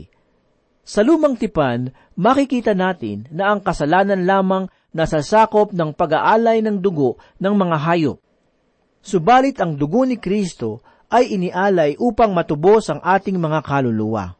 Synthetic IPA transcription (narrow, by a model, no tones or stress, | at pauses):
sɐluːmɐŋt̪ɪpan | mɐkɪkiːt̪ɐnaːt̪ɪ̰nːɐʔɐŋkɐsɐlaːnɐnlaːmɐŋ | nɐsɐsaːko̞p̚nɐŋpɐɡɐʔaːlɐjnɐŋd̪ʊɡo̞ʔ | nɐŋmɐŋaɦaːjop̚ | sʊbaːlɪt̪ɐŋd̪ʊɡo̞nɪkɾist̪o̞ | ʔɐjʔɪnɪʔaːlɐjʔuːpɐŋmɐt̪ʊbo̞sʔɐŋʔaːt̪ɪŋmɐŋakɐlʊluwɐ̰